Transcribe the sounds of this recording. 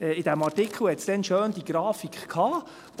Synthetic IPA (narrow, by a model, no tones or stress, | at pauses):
ɛːɪd̥̪æmɑtɪkʰlhɛt̪sd̥ɛnʃøːnd̪iɡ̥ɾɑːfikχkʰɑː